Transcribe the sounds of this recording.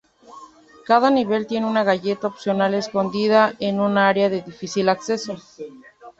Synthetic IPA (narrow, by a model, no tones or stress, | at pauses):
kaðaniβe̞lt̪je̞neunaɣaʝe̞t̪aopsjo̞nale̞sko̞nd̪ið̞aenunaaɾeaðe̞ðifisilakse̞so̞